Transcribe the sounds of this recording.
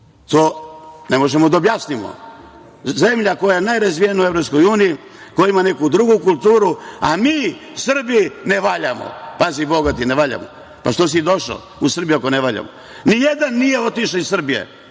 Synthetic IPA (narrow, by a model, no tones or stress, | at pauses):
t̪oːne̞mo̞ʒemod̪aobjasnimo̰ | ze̞mʎako̞jajenajɾazʋijenouevɾo̞psko̞juːniji | kojaimanekud̪ɾuɡukult̪uːɾua̰miːsr̩biineʋaʎamo̰paziboɡat̪ineʋaːʎa̰mo̰ | paʃt̪os̬id̪o̞ʃa̰ | usr̩bijuako̞neʋaʎa̰mo̰ | nijed̪anːije̞o̞t̪iʃaizsr̩bijḛ